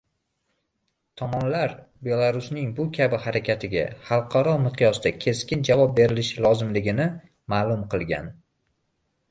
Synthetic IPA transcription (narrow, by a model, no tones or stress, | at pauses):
t̪ʰɒmɒnlaɾ | be̞lˠaɾʊsnɪŋbʊkʲʰabɪhaɾakʲʰat̪ʰɪɡʲa̰hɑlˠqʰɑɾɒmɨqʰjɒsd̪akʲʰe̞skʲɪnd͡ʒavɒp̚be̞ɾɪlɪʃɪlˠɒzɪmlɪɡʲɪnɪ | maːlˠʊmqʰɨlˠɡʲa̰n